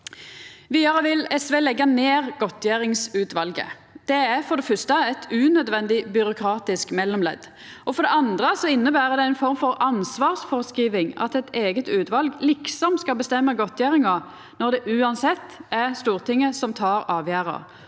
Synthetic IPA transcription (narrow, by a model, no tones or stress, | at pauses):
ʋiːd̪ɑʁəʋɪlɛsʋeːlɛɡːɑneːʁɡɔt̪ʰjæːɾɪŋsʉːt̪ʋɑlɡə̰ | d̪̥ɛæʁfɔɾd̪ɛfœst̪əɛt̪ʰʉːnœd̪ʋɛnd̪ɪbʏɾʊkʰɾɑːt̪ɪskmɛlːɔmlɛ̰d̪ | ɔfɔɾd̪ɛɑnd̪ʁəsɔɪnːəbæːʁəd̪ɛɪnfɔɾmfɔʁɑnsʋɑːʁsfɔʁəskiːʋɪŋɑ̰t̪ɛt̪eːɡət̪ʉːt̪ʋɑlɡlɪksɔmskɑlbəst̪ɛmːəɡɔt̪ʰjæːɾɪŋə | nɔʁd̪ɛʔʉːɑnsɛt̪ːɛʁst̪uːʁt̪ʰɪŋːəsɔmt̪ʰɑːɾɑːʋjæːɾə̰ʁ